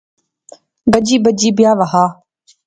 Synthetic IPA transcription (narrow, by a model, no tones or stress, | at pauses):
ɡəd͡ʒiːbəd͡ʒiːbjaːʋɐɦaː